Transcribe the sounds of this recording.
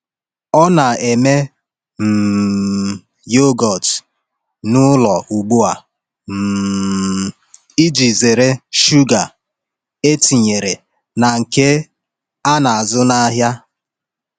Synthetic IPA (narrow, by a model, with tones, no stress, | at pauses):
ɔ˦na˨e˨me˦ | m̩˨ | jo˦ɡɔ˨t | nʊ˦lɔ˨ʔu˨ɡ͡bu˦a˨ | m̩˨ | i˦d͡ʒi˨ze˨ɾe˦ʃu˦ɡa˨ | e˦ti˨ɲe˨ɾe˨ | na˨ŋ̩˨ke˦ | a˦na˨a˨zʊ˦na˦ɦja˦